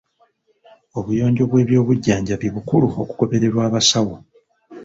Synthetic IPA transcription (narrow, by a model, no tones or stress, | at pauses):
o̞βujo̞ːɲɟo̞βwe̞ːβjo̞ːβuɟːaːɲɟaβiβukuluo̞ku̥ko̞βe̞ɾe̞ɾwaːβasawo